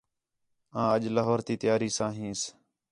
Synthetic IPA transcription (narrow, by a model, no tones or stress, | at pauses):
ãːəʄlaɦoːɾt̪iːt̪ɪjaːɾiːsãːɦĩːs